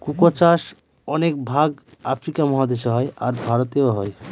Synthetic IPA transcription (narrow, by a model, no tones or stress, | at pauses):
kukot͡ɕaʃ | ɔnek̚bʱaɡafɾikamɔɦad̪eʃoɦɔeaɾbʱaɾot̪eoɦɔe